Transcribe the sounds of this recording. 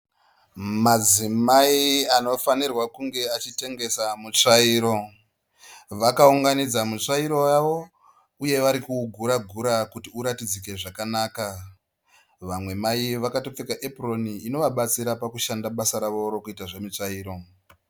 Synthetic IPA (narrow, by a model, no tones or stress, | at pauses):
mad͡zimaiano̞fanirwakuŋɡe̞at͡ʃite̞ŋɡe̞samut͡ʂaiːɾo̞ | ʋakauŋɡanid͡zamut͡ʂaiɾo̞jaʋo̞ | uje̞ʋaɾikuɡʱuɾaɡʱuɾakutiuɾatid͡zike̞ʐakanaːka | ʋamwe̞maiʋakato̞p͡fekaʔeproniːno̞ʋaɓat͡siɾapakuʃandaɓasaɾaʋo̞ɾokuitaʐe̞mit͡ʂaiːɾo̞